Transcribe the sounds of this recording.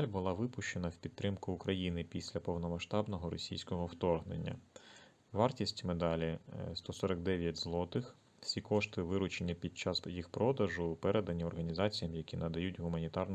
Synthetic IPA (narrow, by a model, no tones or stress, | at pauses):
lʲbʊlˠɑʋɪpʊʃt͡ʃenɐwpʲid̪ɾɪmkʊːkɾɐjinɪpʲisʲlʲɐpɔwnɔmɐʃt̪ɑbnɔɦɔɾɔsʲijsʲkɔɦɔwt̪ɔrɦnḛnʲːɐ̰ | ʋɑrtʲisʲtʲmed̪ɑlʲist̪ɔsɔɾɐkd̪ɛʋʲjɐtʲzlˠɔt̪ɪx | wsʲikɔʃt̪ɪʋɪɾʊt͡ʃenʲːɐpʲid̪̚t͡ʃɑsjixpɾɔd̪ɐʒʊpɛɾed̪ɐnʲiɔrɦɐnʲizɑt͡sʲijɐmjɐkʲinɐd̪ɐjutʲɦʊmɐnʲit̪ɑrn